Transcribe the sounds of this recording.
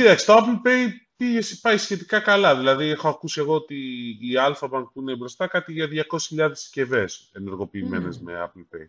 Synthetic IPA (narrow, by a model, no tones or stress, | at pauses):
cit̪ɐksi̥t̪oapl̩pejpiʝe̞si̥pɐjsçe̞t̪ikɐkɐlɐðilɐðiexo̞ɐkusie̞ɣo̞ot̪iːɐlfɐbɐnpuinebɾo̞st̪ɐkɐt̪iʝɐðʝɐko̞si̥sçiʎɐðesce̞ve̞se̞neɾɣo̞piːme̞ne̞zme̞̰a̰plpḛj